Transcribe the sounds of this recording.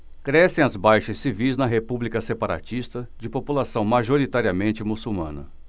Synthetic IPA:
kɾɛsẽj̃ɐzbajʃɐsːivijznɐɦepublikɐsepaɾa̰t͡ʃist̪ɐd͡ʒɪpopulasɐ̃w̃maʒoɾit̪aɾiɐmẽnt͡ʃɪmusuwmɐ̰̃nɐ̰

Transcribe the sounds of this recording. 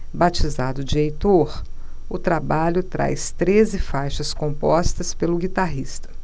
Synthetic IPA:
bat͡ʃizad̪ʊd͡ʒiejt̪oɾ | ʊt̪ɾabaʎʊt̪ɾa̰jst̪ɾezɪfajʃɐskõmpɔst̪ɐspelʊɡit̪aɦist̪ɐ̥

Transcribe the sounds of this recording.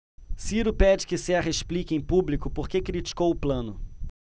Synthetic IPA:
siɾʊpɛd͡ʒɪkɪseaɦeʃplikẽj̃publikʊpoχkekɾit͡ʃi̥kowʊplɐ̃nʊ

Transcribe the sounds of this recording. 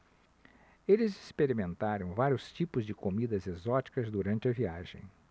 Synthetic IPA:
elɪzispeɾimẽnt̪aɾɐ̃w̃vaɾjʊst͡ʃipʊzd͡ʒɪkomid̪ɐzezɔt͡ʃi̥kɐzd̪uɾɐ̃nt͡ʃɪɐviaʒḛ̃j̃

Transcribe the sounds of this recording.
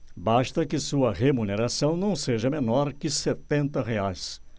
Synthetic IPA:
baʃt̪ɐkɪsuɐʁemuneɾasɐ̃w̃nɐ̃w̃seʒɐmenɔɾkɪset̪ẽnt̪ɐɦeajs

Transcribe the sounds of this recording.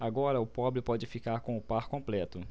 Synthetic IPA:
aɡɔɾɐʊpɔbɾɪpɔd͡ʒɪfikaɾkõʊpaɾkõmplɛt̪ʊ

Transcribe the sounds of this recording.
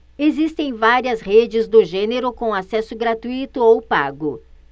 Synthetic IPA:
ezist̪ẽj̃vaɾiɐzhed͡ʒɪzd̪ʊʒẽneɾʊkõw̃asɛsʊɡɾat̪uit̪ʊowpaɡʊ

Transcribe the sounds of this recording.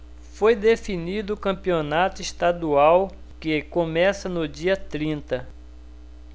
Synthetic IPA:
fojd̪efinid̪ʊːkɐ̃pionat̪ʊist̪ad̪uaw | kɪkõmɛsɐnʊd͡ʒiɐt̪ɾĩnt̪ɐ

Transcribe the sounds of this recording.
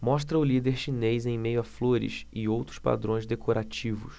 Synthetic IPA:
mɔʃt̪ɾɐʊlid̪eɾʃinejzẽj̃mejʊafloɾɪ̰sɪowt̪ɾʊ̥spa̰d̪ɾõj̃zd̪ekʰoɾat͡ʃivʊ̰s

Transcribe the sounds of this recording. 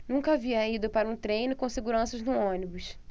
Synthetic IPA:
nũkɐaviɐid̪ʊpaɾɐũt̪ɾẽjnʊkõseɡuɾɐ̃sɐʒnʊõnibʊʃ

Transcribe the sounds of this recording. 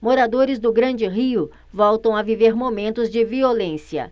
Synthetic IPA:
moɾad̪oɾɪzd̪ʊɡɾɐ̃d͡ʒɪɦiʊ | vɔwt̪ɐ̃w̃aviveɾmomẽnt̪ʊzd͡ʒɪviolẽsiɐ̰

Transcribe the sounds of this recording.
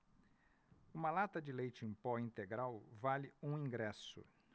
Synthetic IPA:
ũmɐlat̪ɐd͡ʒɪlejt͡ʃɪẽpɔĩnt̪eɡɾawvalɪũĩɡɾɛsʊ̰

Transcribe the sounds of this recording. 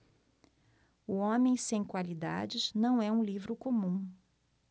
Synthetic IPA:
ʊõmẽj̃sẽj̃kwalid̪a̰d͡ʒɪznɐ̃w̃ɛũlivɾʊkõmũ

